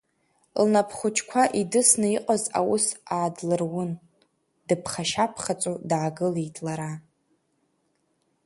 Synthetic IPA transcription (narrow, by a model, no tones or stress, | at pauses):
lnapʰχʷʊt͡ʃʰkʷʰaʔidɨsnɨiqʼaza̰wusaːdlɨrwʊn | d̥ɨpʰχaʃapʰχat͡sʼudʕaɡɨlijtʰʼlaɾa